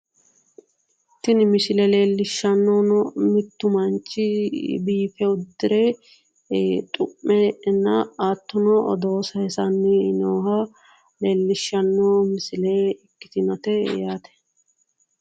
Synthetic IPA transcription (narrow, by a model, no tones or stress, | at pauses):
t̪ɪnɪmɪsɪlɛle̞ːlːɪʃːɐnːonɔmɪt̪ːʊmɐnt͡ʃːɪbiːfɛʊd̪ːɪɾeː | t̪ʼʊmːɛnːɐaːt̪ːʊnɔʔɔ̰d̪oːsɐɛsɐnːɪnoːhɐ | leːlːɪʃːɐnːoːmɪsɪleːɪkːɪ̥t̪ɪnɐt̪ɛ̰jaːt̪ɛ̥